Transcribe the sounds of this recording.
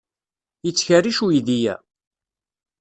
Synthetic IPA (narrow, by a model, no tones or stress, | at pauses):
jət͡sːçəriʃujiðijæ̰